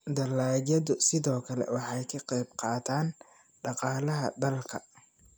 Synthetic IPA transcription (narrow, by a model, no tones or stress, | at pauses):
d̪ɐlaːjɐðʊsɪðɔːkʰɐlɛ̰wɑħɑjkʰɑqɛjbqɑːt̪ʰaːn | ɖɑqɑːlɐɦɐ̰d̪ɐlkʰɐ̰